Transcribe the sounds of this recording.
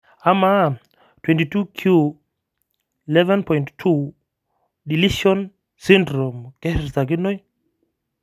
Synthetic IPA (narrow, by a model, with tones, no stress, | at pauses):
ama˦ | twɛ̃nti˨tu˦kʰju | ilɛvɛ̃npɔjnttʰu˦ | di˨liʃɔ˦n | sĩndɾɔ˨mkɛ˦ɾsa˨k̬ɪ˦no˦j